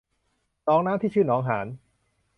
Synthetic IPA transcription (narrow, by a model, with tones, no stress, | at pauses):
nɔː˨˦˥ŋnaː˦˥mt̪ʰiː˥˩t͡ɕʰɯː˥˩nɔː˦ŋɦaː˩˦n